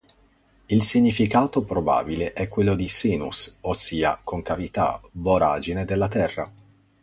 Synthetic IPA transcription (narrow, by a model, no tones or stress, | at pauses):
ilsiɲːifikaːt̪opɾoba̰ːbileʔɛkːwelːod̪isiːnṵsosːiːa̰koŋkavit̪a̰boɾaːd͡ʒined̪elːat̪ɛrːa̰